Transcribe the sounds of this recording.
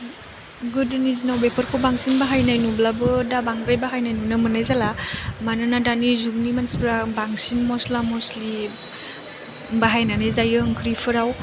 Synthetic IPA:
ɡuduniznawbepʰəɾkʰobaŋsinbaɦajnajnublabɯdabaŋɾajbaɦajnajnunɯmɯnajzalamanɯnadanizuŋnimansibɾabaŋsinmɔslamɔsli | baɦajnanajzajɯŋkʰɾipʰɯɾaw

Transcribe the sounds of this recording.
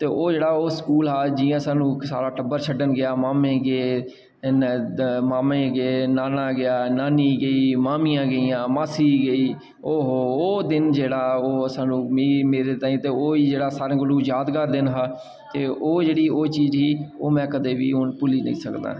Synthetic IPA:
t̪eːʔoːd͡ʒeːɽaːoːskuːlɦaːd͡ʒiːãːsãːnũːsa̰ːɾaːʈəbːəɾt͡ʃʰəɖənɡɪjaːmaːmẽːɡeː | maːmẽːɡeːnaːnãːɡɪjaːnaːniːɡəiːmaːmijãːɡəiːãːmaːsiːɡəiː | oːɦooːd̪ɪnd͡ʒeːɽaːoːəsaːnũːiːmeːɾeːt̪aːĩːt̪eːoːiːd͡ʒeːɽaːsaːɾẽːkʊluːjaːd̪kəɾd̪ɪnɦaː | t̪eːʔoːd͡ʒeːɽiːoːt͡ʃiːzɦiːoːmɛ̃ːkəd̪eːʋḭːʊnpʊliːnə̰̃ḭ̃ːsəkd̪a̰ː

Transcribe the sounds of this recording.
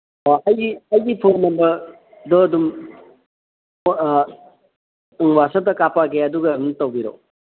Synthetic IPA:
ɔɐjɡiɐjɡipʰoɾmɐmbɐ | d̪ɔːd̪um | ŋwasɐdɐkapaɡeɐduɡɐdumtɐwbiɾo̰

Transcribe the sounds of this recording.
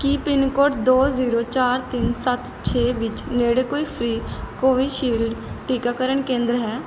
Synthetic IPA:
kipɪnkoːʈd̪oːziːɾoːt͡ʃaːɾt̪ɪnsət̪ | t͡ʃʰeːʋɪt͡ʃneːɽeːkoːiːpʰɾiːkoːiːʃiːlɖʈiːkaːkəɾəɳkẽːnd̪ɾɦɛː

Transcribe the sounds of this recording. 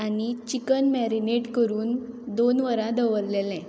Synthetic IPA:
anit͡ɕikənmɛɾineʈkəɾuːnd̪onʋəɾãd̪əʋəɾlelɛ̃

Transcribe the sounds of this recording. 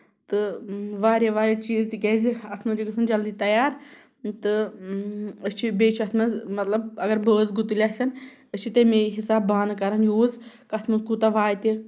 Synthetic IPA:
t̪ɨʋaːɾeʋaːɾʲet͡ʃiːzt̪ikʲeːziɐsʰmɐd͡ʒikɐsɨnd͡ʒɐld̪it̪ɐjaːɾ | t̪ɨ | əst͡ʃʰibeːt͡ʃʰiɐt̪ʰmɐzmɐt̪lɐbɐɡɐɾbəːzɡut̪ilʲasɐn | ət͡ʃʰit̪ɐmeɦisaːbːaːnkɐɾɐnjuːzkɐsʰmɐzkut̪ɐʋaːjt̪i

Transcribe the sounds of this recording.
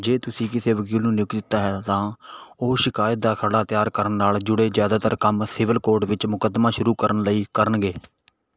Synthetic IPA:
d͡ʒeːt̪ʊsĩːkɪseːʋəkiːlnũːnɪjʊkd̪ɪt̪ːaːɦɛːt̪ãːoːʃɪkaːjət̪̚d̪aːkʰəɽaːt̪ɪjaːɾkəɾənːaːld͡ʒʊɽeːzjaːd̪aːt̪əɾkəmsɪʋəlkoːɾɖʋɪt͡ʃmʊkəd̪maːʃʊɾuːkəɾənləiːkəɾənɡeː

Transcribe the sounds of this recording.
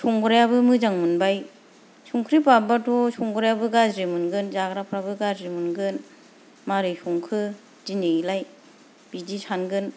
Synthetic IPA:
sʰɔŋɡɯɾajabɯmɯzaŋmɯnbaj | suŋkʰɾip̬abatʰɔsɔŋɡɔɾajabɯɡazɾimɯnɡɯnzaɡɾapʰɾabɯɡazɾimunɡɯn | maɾɯsuŋkʰɯ | zineilaj | b̥idisʰanɡɯn

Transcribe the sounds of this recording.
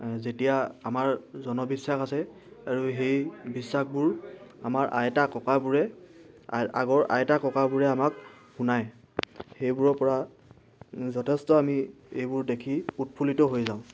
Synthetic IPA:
zetijaamaɹzɔnɔbisːaxasɛ | aɹuɦejbisːakbʊɹa̰maɹʔa̰jtakɔkabʊɹɛ | a̰ɡɔɹʔa̰jtakɔkabʊɹɛamakhunaj | hejbʊɹɔpɔɹa | zɔtʰɛstɔami | ejbʊɹdekʰiut̚pʰulitɔɦojzãʊ̃

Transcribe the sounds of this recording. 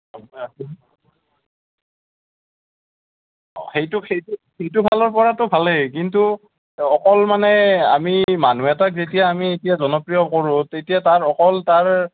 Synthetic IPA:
mas | ɔ̰xejtʊxejtu | xejtʊbʱalɔɹpɔɹatʊbʱalɛkintu | ɔkɔlmanɛamimanuɛtak̚zetijaːmietijazɔnɔpɹijɔkoɹʊ̃tetijataɹɔkɔltaɹ

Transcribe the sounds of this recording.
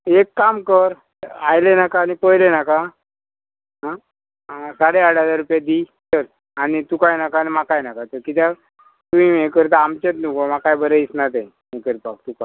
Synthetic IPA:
ekːamkəɾ | ajlenakaːnipəjlenaka | ɦã | saɽeaɽəd͡zaɾːupjad̪i | səɾ | añit̪ukajnakaːnimakajnakat̪əkit̪ja | t̪uĩekəɾt̪̬aamt͡ɕet̪nukomakajbəɾeisnat̪ẽ | ekəɾipak̚t̪uka

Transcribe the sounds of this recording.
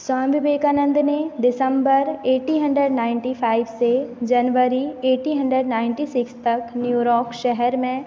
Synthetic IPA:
sãːmbɪbeːkaːnə̃nd̪neɖɪsə̃mbəɾeːʈiɦɐ̃ɳɖɾeɖnaːɪ̃ɳʈipʰaːɪʋsed͡ʒɐnʋəɾieːʈĩɦɐ̃ɳɖɾeɖnaːɪ̃ɳʈisɪkst̪ɐknjuːɾɔːkʃɛɦɛɾmẽ

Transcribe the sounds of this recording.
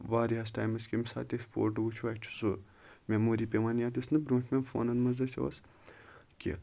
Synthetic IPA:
ʋaːɾiɦɐsʈaːjmɐskʲimʲsa̰ːt̪ʲekspo̰ːɾʈuɡut͡ʃʰuʋaːt͡ʃʰu̥so | mʲemoːɾiːpʲeʋaːnjaːt̪ʲusnɨbɾõːt͡ʃʰmʲenfo̰ːnɐnmɐzɐsʲo̰s | kʲḭ

